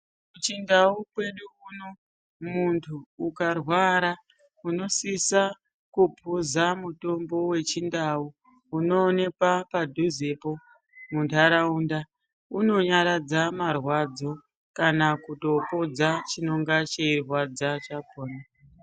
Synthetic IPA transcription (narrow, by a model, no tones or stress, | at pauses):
ut͡ʃindaupwe̞ɗuuno | muntʰuːkarwaɾa | uno̞sisa | kupuzamuto̞mbo̞we̞t͡ʃindau | uno̞ːne̞kwapadʱuze̞po | muntʰaɾaunda | uno̞ɲaɾad͡zamarwad͡zo̞ | kanakuto̞po̞d͡zat͡ʃino̞ŋɡat͡ʃeirwad͡zat͡ʃabʱoːna